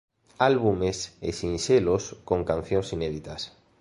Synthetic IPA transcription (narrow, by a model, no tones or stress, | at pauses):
alβumesḛsĩnʃeloskõŋkan̟θjõŋsineðit̪as